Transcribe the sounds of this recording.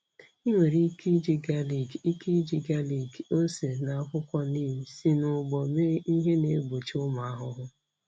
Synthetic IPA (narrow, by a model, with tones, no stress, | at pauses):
i˦ŋʷe˨ɾi˦ki˦d͡ʒi˦ɡa˦li˨ɡi˦kʰi˦d͡ʒi˨ɡa˦li˨ɡo˦se˨na˨a˦kʷʊ˦kʷɔ˦niː˦m̩˨si˦nʊ˨ɡ͡bɔ˨me˦i˦ɦe˦ne˦ɡ͡bo˨t͡ʃʊ˦ma˨a˦ɦʊ˦ɦʊ˦